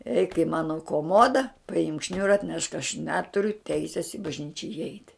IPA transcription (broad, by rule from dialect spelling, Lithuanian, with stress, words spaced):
ɛɪk ɪ ˈmɑːnoː koːˈmoːdɐ pɐˈɪmk ˈʃʲnʲʊrɐ ɐtʲˈnʲɛʃk ɐʃ ˈnʲæːtʊrʲʊ ˈtʲɛɪsʲeːs ɪ bɐʒʲˈnʲiːt͡ʃʲɛ ɪˈɛɪtʲ